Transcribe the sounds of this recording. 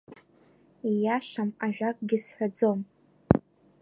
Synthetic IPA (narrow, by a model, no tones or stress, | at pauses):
ijaʃamaʒᶣakʼɡʲɪsħʷᶣad͡zo̞m